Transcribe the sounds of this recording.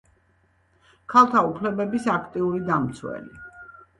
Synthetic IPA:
kʰalˠt̪ʰaupʰlɛbɛbisakʰt̪ʼiuɾid̪amt̪sʰwɛ̰li

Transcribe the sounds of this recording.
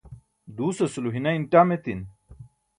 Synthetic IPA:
d̪uːsɐsuluɦinɐinʈaːmet̪in

